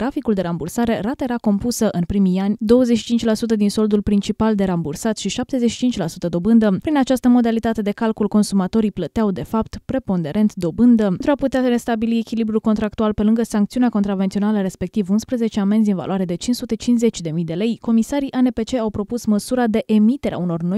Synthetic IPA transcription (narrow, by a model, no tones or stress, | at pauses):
t̪ɾafikuld̪e̞ɾambursaɾe̞ɾat̪əe̞ɾako̞mpusəʔɨnpɾimijanʲd̪o̞wəzetʃi̥t͡ʃint͡ʃʲlasut̪̬əd̪inso̞ld̪ulpɾint͡ʃipald̪e̞ɾambursat̪ʃiʃap̚t̪e̞zeʃi̥t͡ʃint͡ʃʲlasut̪əd̪o̞bɨnd̪əpɾinat͡ʃast̪əmo̞d̪alit̪at̪e̞d̪e̞kalkulko̞nsumat̪o̞ɾiplət̪eawd̪e̞fapt̪pɾe̞po̞nd̪e̞ɾe̞nt̪d̪o̞bɨnd̪əent̪ɾuaput̪eare̞st̪abiliekʲilibɾulko̞nt̪ɾak̚t̪ualpe̞lɨŋɡəsaŋk̚t̪siuneakot̪ɾave̞nt̪sio̞naləɾe̞spe̞k̚t̪ivunspɾəze̞t͡ʃeame̞nzʲinva̰loaɾe̞d̪e̞t͡ʃinsut̪e̞t͡ʃinsze̞t͡ʃʲd̪e̞mijd̪e̞le̞jko̞misaɾiʔanepe̞t͡ʃe̞awpɾo̞pusməsuɾad̪e̞ʔemit̪e̞ɾea̰uno̞rno̞j